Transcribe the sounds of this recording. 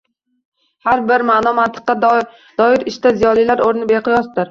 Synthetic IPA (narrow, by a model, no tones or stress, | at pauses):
haɾbɪɾmaʔnɒmant̪ʰɪ̥qːɑ | d̪̥ɒɪɾɪʃt̪azijɒlˠijlaɾoɾɪnɪbeqʰɨjɒsd̪ɪɾ